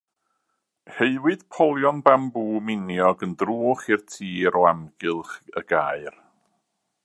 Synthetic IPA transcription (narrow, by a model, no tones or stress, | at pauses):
heɨwɨd̥pʰɔlˠjɔnbambuːmɪnjɔɡəndruːχɪrtʰiːɾɔamɡɨlˠχə̰ɡ̥aːɨr